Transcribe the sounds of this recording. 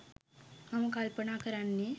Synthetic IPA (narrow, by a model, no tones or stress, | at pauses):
ɐmɐkaːlpɐɳaːkɐɾanːi